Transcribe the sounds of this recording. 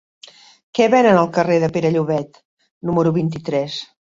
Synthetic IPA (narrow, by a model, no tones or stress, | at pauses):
kɛβɛnənəlˠkəreðəpeɾəʎuβɛt̪ | numəɾuβint̪it̪ɾɛs